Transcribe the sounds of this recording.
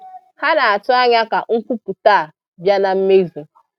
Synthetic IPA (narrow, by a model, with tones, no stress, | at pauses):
ha˦na˨a˨tʊ˦a˦ɲa˦ka˨ŋ̩˦kʷu˦pu˨taː˦˨a˨ | bja˦na˨m̩˦me˦zi˨